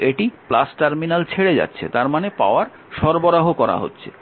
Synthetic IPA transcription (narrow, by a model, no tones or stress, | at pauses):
eʈiplasʈaɾminalt͡ɕʰeɽed͡ʑa̰tːɕʰḛt̪aɾmanepa̰oaɾ | ʃɔɾboɾaɦokɔɾa̰ɦo̰tːɕʰe